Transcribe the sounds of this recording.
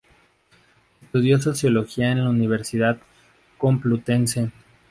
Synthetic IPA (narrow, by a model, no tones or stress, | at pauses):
est̪uðjo̞s̬o̞sjo̞lo̞xiaenlauniβ̞e̞ɾsiðað | ko̞mplut̪e̞nse